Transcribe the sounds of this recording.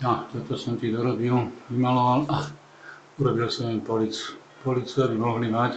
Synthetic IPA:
jat̪ɔt̪ɔsɔmt̪iːd̪ɔɾɔbiluʋimalɔʋala | uɾɔbilsɔmɛnpɔlit͡su̥ | pɔlit͡suabimɔɦlimac

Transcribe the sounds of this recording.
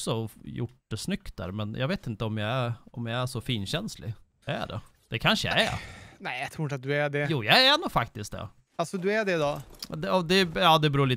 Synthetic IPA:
sɔjʊ̰ʈd̪ɛsnʏkt̪̚d̪æ̰ːɾmɛnjʔɑ̰ɡveːt̪ɪnt̪əɔmjaɪæɾɔmjaɪæʂɔfiːnɕɛnslɪ̰ | ɖɛ̰ | d̪̥ɛkʰanʂəja̰æ̰næɪjat̪ʰɾuːɪnt̪at̪̚d̪ɵæɖɛjuːjaænuːfak̚t̪ɪsk̚d̪ɛ̰ | alsɔd̪ɵæɖɛd̪ɑd̪ɛɔd̪ɛjɑːd̪ɛbɾuːɭiː

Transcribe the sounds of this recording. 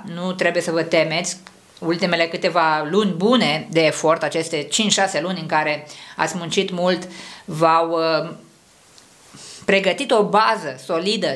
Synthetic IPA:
nut̪ɾebuje̞səvət̪e̞me̞t̪sʲ | ult̪ime̞le̞kɨt̪e̞valunʲbune̞d̪e̞ːfo̞rt̪at͡ʃe̞st̪e̞t͡ʃint͡ʃʲʃase̞lunʲɨŋkaɾe̞a̰t̪sʲmunt͡ʃit̪mult̪vaw | pɾe̞ɡət̪it̪o̞bazəso̞lid̪ə

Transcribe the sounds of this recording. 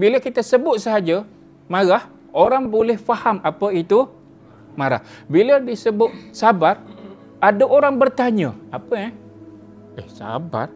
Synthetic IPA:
biləkit̪asəbʊt̪̚səɦad͡ʒə | maɣah | ʔoɾaŋbolɛhfahamapəit̪u | maɾa̰hbilədisəbʊt̪̚sabar | ʔadəʔoɾaŋbərt̪aɲəapəɛ | ɛhsa̰ba̰r

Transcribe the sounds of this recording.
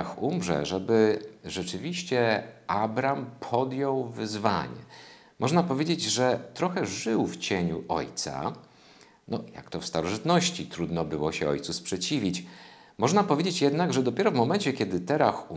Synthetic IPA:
xumʐɛ̰ʐɛbɘʐɛt͡ʂɘvʲiɕt͡ɕɛabɾampʰɔd̪jɔwvɘzva̰ɲɛ̰ | mʔɔʐnapɔvʲjed͡ʑed͡ʑʐɛt̪ɾɔxɛʐɘwft͡ɕeɲuʔɔ̰jt̪sa̰ | nɔja̰kt̪ɔfst̪aɾɔʐɘt̪nɔɕt͡ɕit̪ɾud̪nɔbɘwɔɕɛɔ̰jt̪suspʂɛt͡ɕivʲit͡ɕ | mɔʐnapɔvʲjed͡ʑet͡ɕjɛd̪naɡʐɛd̪ɔpʲɛɾɔvmɔmɛnt͡ɕɛkʲɛd̪ɘt̪ɛɾaxu

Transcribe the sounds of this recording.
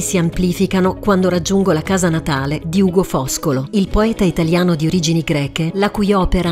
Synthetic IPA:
siampliːfikanokwand̪oɾad͡ʒːuŋɡolakaːzanat̪aːled̪iuːɡofɔskoloilpoɛːt̪ait̪aljaːnod̪ioɾiːd͡ʒiniɡɾɛːkelakujɔːpeɾa

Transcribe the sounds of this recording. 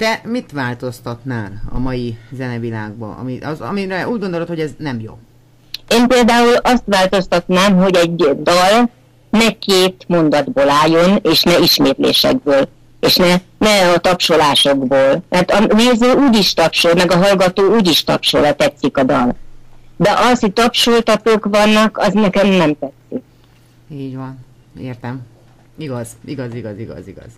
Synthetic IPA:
t̪ɛmit̪ʋaːlt̪o̞st̪ɒt̪naːlɒ̰mɒjizɛnɛvila̰ːɡ̚bɒ̰ɒ̰miɒzɒ̰miɾɛuːɟɡond̪olot̪hoɟɛznɛmjo̰ | eːmpeːld̪aːulɒst̪ʋaːlt̪o̞st̪ɒt̪naːmɦo̞ɟɛɟd̪ɒl | nɛkeːt̪mo̞nd̪ɒd̪boːlaːjo̞neːʃnɛiʃmeːt̪lḛːʃɛ̰ɡ̚bøːl | eːʃnɛnɛɒt̪ɒpʃolaːʃo̞ɡboːlmɛrt̪ɒneːzøːuːɟiʃt̪ɒpʃolmɛɡɒɦɒlɡɒt̪oːuːɟiʃt̪ɒ̰pʃo̰lɒt̪ɛt̪sikɒd̪ɒ̰ld̪ɛʔɒshoc̚t̪ɒpʃolt̪ɒt̪oːkʋɒnːɒkɒznɛkɛmnɛmt̪ɛt̪sik̚ | iːɟʋɒn | eːrt̪ɛm | iɡɒziɡɒziɡɒziɡɒ̰ziɡɒ̰z̥

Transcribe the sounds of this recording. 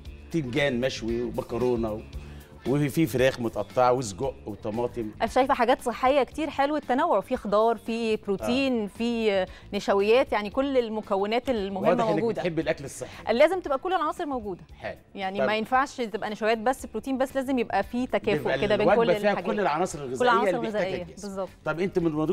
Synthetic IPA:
t̪imɡæːnmæʃwiwebɑkɑɾoːnæw | wefifeɾæːxmot̪ɑʔɑt̪ˤːeʕwezɡoʔwet̪ɑmɑːt̪ˤemʔæʃæjfæħaɡæːt̪sˤeħːejːækt̪iːɾħelwet̪ːænæwːoʕfixd̪ɑːɾˤfiːbɾut̪iːnfi | neʃæwejːæːt̪jaʕnikolːelmokæwːenæːt̪elmohemːæmnɡuːd̪æħebːelʔæklesˤːɑħlːæːzemt̪ebʔækolːelʕɑnɑːsˤeɾmowɡuːd̪æħeːl | jaʕnimæjenfaʕʃt̪ebʔænæʃæwjæːt̪̚bæsːbɾut̪iːnbæsːlæːzemjebʔæfiːt̪ækæːfoʔked̪æbeækolːihækolːelʕɑnɑːsˤeɾelɣezolːeʕɑnɑːɾlɣezæːʔejːæbezˤːɑb̚t̪ˤt̪ːˤɑbʔent̪æmenmɑnd̪u

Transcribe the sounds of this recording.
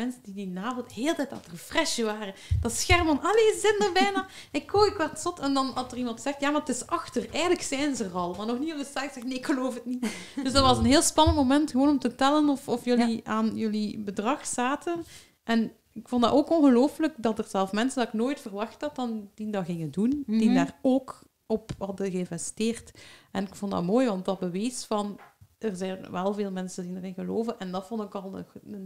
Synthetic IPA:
ɛnsədidinaːvɔlˠtheːlˠtɛjta̰ːtərəfrɛʃəʋaːrə | d̥ɑsxɛrmɑnɑleːzɪtndərbɛjnaː | ɪkʰːoːjɪkʋɛtsɔtɛndɑnɑsərimɑntsɛxtjaːmaətɪsɑxtərɛjɣən̩ləksɛjnzəərɑlˠmaːrnɔxnioəsaːkzɛxtneːɪkxəloːfɦətnitdɵzdɑtʋɑzənɦeːlˠspɑnəntmomɛntxəʋoːnɔmtətɛlənɔfɔfjɵliaːnjɵlibədrɑxsaːtʰən | ʔɛn | ɪkfɔndɑ̰ʔoːkɔnɣəloːfləkdɑtərzɛlˠfmɛnsəndɑɪknoːjtfərʋɑxtɑt̚dɑnd̥indɑɣɪŋəndund̥indaːroːk | ɔphɑdəɣəɪnvɛsteːrtʔɛnɪkfɔndɑ̰tmoːjʋɑntdɑbəʋeːsfɑnərzɛjnʋɛlˠveːlˠmɛnsəndinərɪnɣəloːvənʔɛndɑtfɔndɪkɑlˠən

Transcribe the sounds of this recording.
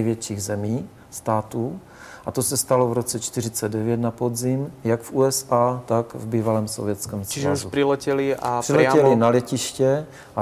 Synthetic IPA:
jvjɛt͡ʃiːɣzɛmiː | st̪aːt̪uː | ʔat̪osɛst̪alovɾot͡sɛt͡ʃt̪ɪr̝ɪt͡sɛd̚dɛvjɛt̪napod̪zɪmjaɡfuːɛsaːt̪akvbiːvalɛːmsovjɛt͡skɛːmst͡ʃiʒazupɾilɛcɛliar̥ɪlɛɛlinalɛcɪʃcɛ | ʔa

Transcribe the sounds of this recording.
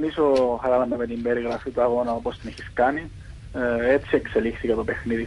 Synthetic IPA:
nisoxɐɾɐnɐmemet̪imbe̞ɾiɣɾɐfit̪uɐɣo̞nɐopo̞st̪ineçi̥skɐni | et̪st͡sie̞kse̞lixθikɐt̪ope̞xniði

